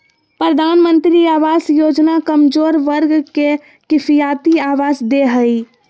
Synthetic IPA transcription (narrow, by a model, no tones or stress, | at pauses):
pɾəd̪ʱanmənt̪ɾiaʋasjod͡ʒnakəmd͡ʒoːɾʋəɾɡke | kɪpʰijat̪iaʋazd̪eɦəj